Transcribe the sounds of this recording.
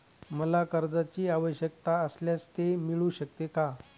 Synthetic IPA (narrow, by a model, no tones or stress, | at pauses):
məlakəɾd͡zat͡ɕiːaʋəɕjək̚t̪aəsljat͡st̪emiɭũɕək̚t̪eka